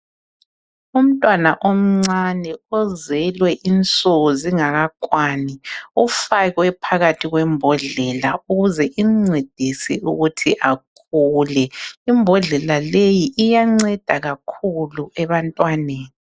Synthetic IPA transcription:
um̩tʼwanaʔom̩ŋ͡ǀanɛɔzɛlwɛʔint͡sʼoɣɔziŋaɣakʼwaːniufaɣwɛpʰaɣatʰiɣwɛmbʱɔɮɛlauɣuzɛʔiŋ͡ǀed̥ʱisiuɣutʰiʔakʰuːlɛimbʱɔɮɛlalejiʔːjaŋ͡ǀɛd̥ʱaɣakʰuluɛβantʼwaneːni

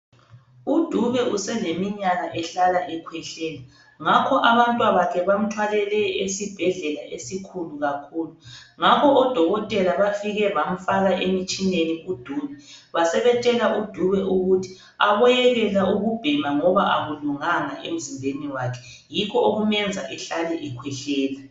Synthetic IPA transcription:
ud̥ʱuβɛusɛlemiɲaɣaʔɛɬalaʔɛkʰwɛɬɛːla | ŋakʰɔʔaβantʼwaβakʰɛβam̩tʰwalɛlɛesib̥ʱɛɮɛlaʔesikʰuluɣakʰuːluŋakʰɔʔɔd̥ʱɔɣɔtʼɛlaβafiɣɛβam̩faɣaʔemit͡ʃʼineniud̥ʱuːβɛβasɛβɛt͡ʃʼɛlaʔud̥ʱuβɛʔuɣutʰi̥ | aβɔjɛɣɛlauɣub̥ʱimaŋɔβaʔaɣuluŋaŋaʔḛm̩zimbʱeniwakʰɛ̥ | jikʰɔoɣumɛnd͡zʱa̰ʔɛɬalɛʔɛkʰwɛɬɛːla

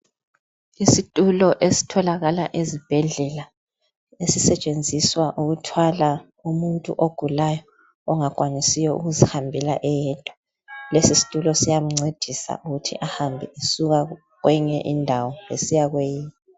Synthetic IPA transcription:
isitʼulɔʔesi̥tʰɔlaɣalaʔezib̥ʱɛɮɛla | esisɛt͡ʃʼend͡zʱiswaʔuɣutʰwala | umuntʼṵʔoɡ̥ʱulajɔː | ŋakʼwaɲisijɔʔṵɣuzihambʱɛlaʔɛjɛtʼɔ̥ | lesisi̥tʼulɔsijamuŋ͡ǀed̥ʱisa̰ʔuɣutʰḭʔahambʱiesuɣa | ɣwʔɛɲɛ̰ʔindʱawɔḛsijaɣwejiːni

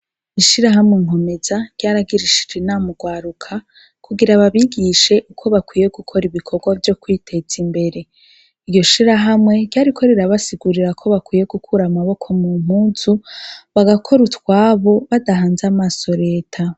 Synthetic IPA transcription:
iʃiɾaɦamŋeŋ̥o̞me̞zaɡ̥jaːɾaɡiɾiʃi̥d͡ʒenamuɡwaːɾukʰa | kʰuɡiɾaβaβiɡiʃe̞ʔukʰo̞βakwije̞ɡukʰo̞ɾiβikʰo̞ɡwavjo̞kwiːtʰe̞z̥imbe̞ɾe̞ | iɾjo̞ʃiɾaɦamŋe̞ɟ̥jaːɾikʰo̞ɾeɾaβasiɡuɾiɾakʰo̞βakwije̞ɡukʰuɾamaβo̞kʰo̞mum̥huːnzuβaɡakʰo̞ɾutkwaːβo̞βadaɦaːnzamaːso̞ɾe̞ːtʰa

